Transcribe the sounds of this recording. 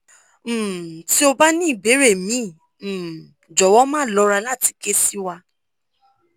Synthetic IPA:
ti˦o˧ba˦nĩ˦i˦˨be˨˦ɾe˦˨mĩ˨˦˨ | d͡ʒɔ˨wɔ˨˦mãː˦˨lɔ˧˦ɾa˧la˦˨ti̥˧ke˦si˦wa˧

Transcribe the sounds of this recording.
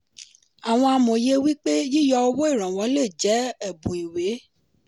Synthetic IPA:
a˨w̃ɔ̃˧a˧mõ˨je˧wi˦k͡pe˦ji˦jɔ˧o˧wo˦i˦˨ɾ̃ã˨w̃ɔ̃˨˦le˦˨d͡ʒɛ˨˦ɛ˦˨bũ˨i˨we˨˦

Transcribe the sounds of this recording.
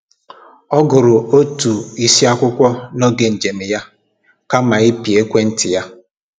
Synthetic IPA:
ɔ˦ɡʊ˨ɾʊ˨o˦tu˨i˦si˦a˦kʷʊ˦kʷɔ˦nɔ˦ɡe˨n̩˨d͡ʒe˨me˨ja˦ | ka˦ma˨i˦pi˨e˦kʷe˦n̩˦tɪ˨ja˦

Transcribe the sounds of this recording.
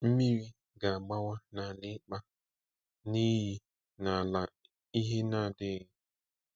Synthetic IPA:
m̩˦mi˦ɾi˦ | ɡa˨a˨ɡ͡ba˦wa˦na˨nɪ˦k͡pa˦ | ni˦ɦi˦ | na˨la˨ | i˦ɦe˦na˦˨dɪ˦ɣ

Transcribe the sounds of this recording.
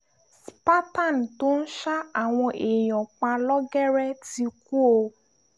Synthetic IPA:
spa˦ta˦˨n˨to˦n̩˦ʃa˦a˨w̃ɔ̃˧ʔe˨j̃ɔ̃˨k͡pã˧lɔ˦ɡɛ˦ɾɛ˦ti˧ku˦o˧

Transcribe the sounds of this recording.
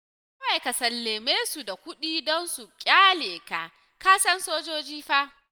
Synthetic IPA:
kɐ˦wa˨jka˨sɐ˨lːeː˨meː˦su˨da˨kʷʊ˦ɗiː˦dɔ˦nsu˨kʲʼaː˦leː˨ka˨ | kaː˦sɐ˦nsoː˦d͡ʒoː˦d͡ʒiː˦ɸa˦ʔ

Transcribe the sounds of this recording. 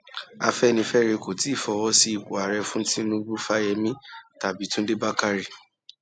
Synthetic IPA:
a̰˧fɛ˦˨nĩ˧fɛ˦ɾe˧ko˨ti˨˦i˦˨fɔ˧wɔ˧˦si˦i˨ko˨a˨ɾɛ˧fũ˦ti˦nũ˦ɡ͡bu˦fa˦jɛ˧mĩ˦ta˨bi˨˦tũ˦de˦ba˦ka˦ɾi˨

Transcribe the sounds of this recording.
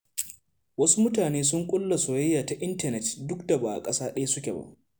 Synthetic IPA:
wɐ˦su˦mʊ˦taː˨neː˦s̬ʊ˦ŋkʷʼʊ˦lːa˨soː˨jɐ˦jːaː˨ta˨ʔɪ˦ntɐ˨nɛ˨tdʊ˦kda˨baː˨a̰˨kʼɐ˦saː˦ɗɐ˦ja˦sʊ˦kʲḛ˨ba̰˦ʔ

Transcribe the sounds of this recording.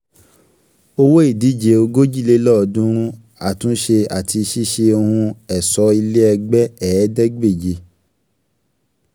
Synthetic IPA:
o˧wo˦i˦˨di˨˦d͡ʒe˨˦o˧ɡo˦d͡ʒi˦˨le˦lɔ˦˨dũ˦ɾ̃ũ˦ | a˦˨tũ˨˦ʃe˧a˨tʰi˧ʃi˦ʃe˧o˧hũ˧ɛ˨sɔ˨˦i˧le˦ɛ˧ɡ͡bɛ˦ɛ˨˦dɛ˦ɡ͡be˦˨d͡ʒe˧˦

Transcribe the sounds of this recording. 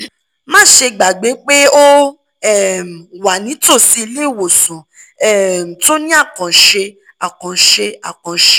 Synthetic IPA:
mãː˦˨ʃe˧ɡ͡ba˨ɡ͡be˨˦k͡pe˦o˦ | ɛ˦˨m˨wa˨nĩ˨˦to˦˨si˨˦i˧le˦˨wo˨sũ˨ | ɛ˨to˦nĩ˦a˦˨kã˨ʃe˧ | a˨kã˨ʃe˧a˨kã˨ʃe˧

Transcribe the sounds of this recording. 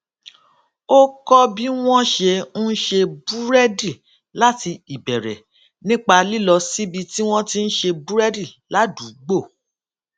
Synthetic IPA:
o˦kɔ˦bi˦w̃ɔ̃˦ʃe˧n̩˦ʃe˧bu˦ɾɛ˦di˦˨ | la˦ti˧i˨bɛ˨ɾɛ̰˨ | nĩ˦k͡pa˧li˦lɔ˧si˦bi˧ti˦w̃ɔ̃˦ti˦n̩˦ʃe˧bu˦ɾɛ˦di˦˨la˨˦du˨˦ɡ͡bo˦˨

